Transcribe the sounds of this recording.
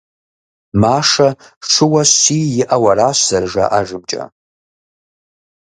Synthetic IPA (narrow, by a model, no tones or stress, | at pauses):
maːʂɐ | ʂʷʰɨwɐɕiːjɪʔɐwɐɾaːɕz̥ɐrʒa̰ʔaʒɨb̚d͡ʒʼɐ̰